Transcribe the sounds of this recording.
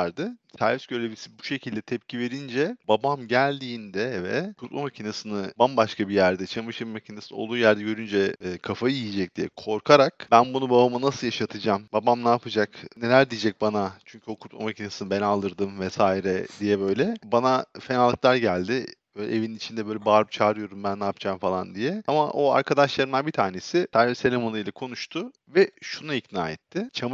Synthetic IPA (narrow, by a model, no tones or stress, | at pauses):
ɾd̪ɯsæɾvʲisɟøɾlʲebilʲisibu̥ʃe̞cʰilʲd̪ɛt̪ʰɛp̚cʰive̞ɾind͡ʒɛbabamɟælʲd̪iːnd̪ɛvɛ̰kʰut̪̚mˠamacʰinasɯnɯbanbaʃkabijæɾd̪ɛt͡ʃʰamɯʃɯmacʰinasolˠd̪uːjæɾd̪ɛɟø̞ɾynd͡ʒɛːkʰafajijid͡ʒɛc̚d̪̥ijɛ̰kʰo̞ɾkʰaɾakb̥ænbunubabamanasɯlˠjaʃat̪ʰɯd͡ʒambabamnaːpʰɯd͡ʒakne̞lʲæɾd̪ijid͡ʒɛc̚banat͡ʃʰyɲcʰyo̞kʰuɾt̪̚ma̰macʰinesɯnɯbenalˠd̪ɯɾd̪ɯmvɛsaːiɾɛd̪ijɛbø̞jlʲɛbanafe̞nalˠːɯklˠaɾɟælʲd̪ɪ | ølʲʔevininit͡ʃʰind̪ɛbø̞jlʲɛbaːɾɯp̚t͡ʃʰaːɾɯjo̞ɾumbænːaːpd͡ʒaːmfalˠand̪ijɛamaʔo̞a̰ɾkʰad̪aʃlˠaɾɯmd̪anbit̪ʰaːne̞sɪt̪ʰaɾiɾselʲemanɯjlʲɛkʰo̞nuʃt̪ʰʊ | vɛʃunaicnaːɛt̪ʰːɪt͡ʃʰam